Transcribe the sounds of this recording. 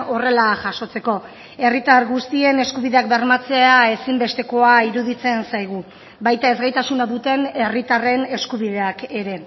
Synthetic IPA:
o̞re̞laʝaʃo̞t͡se̞ko̞ | e̞rit̪arɣust̪ie̞ne̞skuβiðe̞ak̚beɾmat͡se̞ae̞simbe̞st̪e̞ko̞aiɾuðit͡se̞nsajɣ̞u | βajt̪ae̞zɣajt̪asunaðut̪e̞ne̞rit̪are̞ne̞skuβiðe̞ake̞ɾe̞

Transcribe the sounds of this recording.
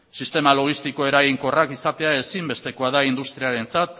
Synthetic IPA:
sist̪e̞malo̞ɣ̞ist̪iko̞e̞ɾajiŋko̞rakisat̪e̞ae̞simbe̞st̪e̞ko̞aðaind̪ust̪ɾiaɾe̞nt͡sat̪

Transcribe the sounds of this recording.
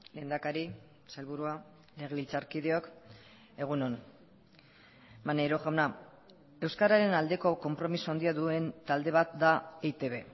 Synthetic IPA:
le̞ːnd̪akaɾi | salβuɾua | le̞ɣ̞eβilt͡saɾkið̞eo̞k | e̞ɣ̞uno̞n | manejɾo̞xawna | e̞wskaɾaɾe̞nald̪e̞ko̞ko̞mpɾo̞misuand̪iaðue̞nt̪ald̪e̞β̞at̪̚d̪aet̪e̞βe̞

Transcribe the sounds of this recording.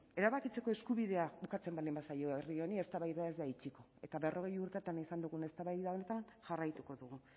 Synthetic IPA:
e̞ɾaβakit͡se̞ko̞e̞skuβiðe̞aβukat͡se̞mbald̪imbasajo̞erio̞nie̞st̪aβajðae̞zd̪ait͡ʃiko̞e̞t̪aβerʔo̞ɣ̞e̞juɾt̪et̪anisand̪uɣ̞une̞st̪aβajðao̞ne̞t̪anʝarajt̪uko̞ðuɣu

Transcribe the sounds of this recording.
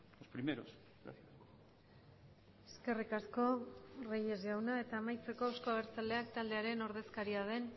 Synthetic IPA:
ospɾimeɾo̰s | ɾa̰θ | eske̞rikasko̞reje̞zɣawnae̞t̪aːmajt͡se̞ko̞awsko̞aɣeɾt͡sald̪e̞akt̪ald̪e̞aɾe̞no̞ɾð̞e̞skaɾiað̞e̞n

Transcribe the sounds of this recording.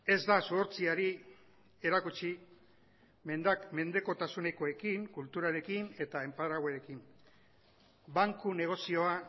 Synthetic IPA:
e̞zd̪asoːɾt͡siaɾi | e̞ɾakut͡ʃi | me̞nd̪akme̞nd̪e̞ko̞t̪asune̞ko̞e̞kiŋkult̪uɾaɾe̞kine̞t̪aempaðɾaɣwaɾe̞kim | baŋkune̞ɣ̞o̞sio̞a

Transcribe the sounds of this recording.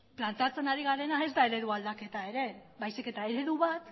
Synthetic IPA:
plant̪eat͡se̞naɾiɣ̞aɾe̞nae̞zd̪ae̞ɾe̞ðuald̪ake̞t̪ae̞ɾe̞βajsike̞t̪ae̞ɾe̞ðuβat̪

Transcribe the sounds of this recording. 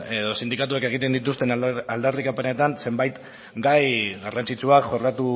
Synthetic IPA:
e̞ðo̞sind̪ikat̪uake̞ɣ̞it̪e̞nd̪it̪ust̪e̞nald̪arikapene̞t̪anse̞mbajt̪ | ɡajɣarant͡sit͡ʃuakʝo̞ɾkat̪u

